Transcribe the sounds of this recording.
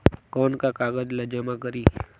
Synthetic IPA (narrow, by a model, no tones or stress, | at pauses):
kɔːnkakaːɡəd͡ʒləd͡ʒəmãkəɾiː